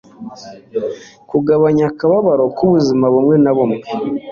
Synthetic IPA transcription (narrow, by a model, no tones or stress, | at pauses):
kuɡaβaɲakaβaβaɾo̞kuβuzimaβumŋe̞naβumŋe